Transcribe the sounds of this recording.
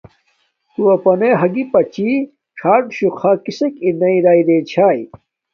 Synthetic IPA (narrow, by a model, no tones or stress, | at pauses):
t̪uɐpɐneɦɐɡipɐt͡ɕi | ʈ͡ʂʰaːʈɕukʰakisekinɐiɾaːid̪et͡ɕʰaːj